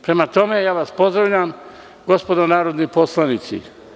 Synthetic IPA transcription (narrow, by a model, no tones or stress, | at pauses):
pɾe̞mat̪o̞mejaːʋaspo̞zd̪ɾaʋʎam | ɡo̞spo̞d̪onaːɾod̪nipo̞slˠanit̪sḭ